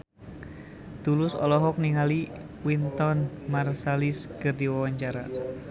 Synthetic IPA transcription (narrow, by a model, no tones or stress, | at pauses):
t̪ulʊsɔ̰lɔɦɔk̚niŋali | wint̪ɔnmarsaliskɨrdiwawaɲt͡ʃaɾa̰